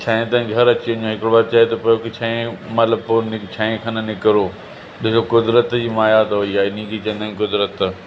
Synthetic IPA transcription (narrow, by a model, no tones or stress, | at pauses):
t͡ɕʰaːẽt̪ɐɪ̃ɡʱɐɾɐt͡ɕiʋɐ̃ɲõɦɪkɽobaːd̪̚t͡ɕaːjet̪ɐpɐjokɪt͡ɕʰãːẽmɐt̪ləb̚ponɪt͡ɕʰãːẽkʰanɐnɪkɾoː | ɗɪsokʊd̪ɾət̪d͡ʑiːmaːjat̪ɐɦoiaːɪnĩd͡ʑit͡ɕɐ̃nd̪ə̃kʊd̪ɾət̪